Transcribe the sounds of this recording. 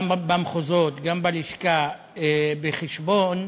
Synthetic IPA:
mbamχozot̪ɡambaliʃka | ebeχeʃbon

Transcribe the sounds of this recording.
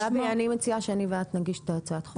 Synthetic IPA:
abanimet͡siaʃeaniveat̪naɡiʃt̪at͡saat̪χ

